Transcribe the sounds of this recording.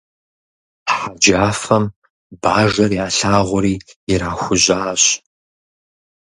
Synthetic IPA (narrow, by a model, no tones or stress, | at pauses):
ħad͡ʒaːfɐm | baːʒɐrjaːɬaːʁʷʊɾiːjɪɾaːxʷʊʑaːɕ